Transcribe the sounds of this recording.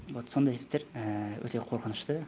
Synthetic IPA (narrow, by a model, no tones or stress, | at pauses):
wot̪so̞nd̪ɑjesp̚t̪eɾəwʔɵ̰t̪e̞qʰo̞ɾqənəʃt̪ə